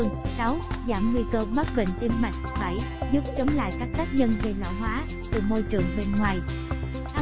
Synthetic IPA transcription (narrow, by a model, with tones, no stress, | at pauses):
ɨ˨˩əŋ˨sa˨˦wzaː˧˩mŋwi˧kəː˧ɓa˦˥t̚ɓḛ˧˨ŋ̟t̪i˧əmma˨˩jŋ̟̚faː˧˩j | zu˦˥p̚t͡ɕə˨˦wŋ͡mla̰ː˧˨jkaː˦˥k̚ka˦˥k̚ɲə˧nve˨˩la̰ː˧˩wɦwaː˨˦ | t̪ɨ˨˩mo˧jt͡ɕɨ˨˩əŋɓe˧nŋwaː˨˩j | ʔa˨˦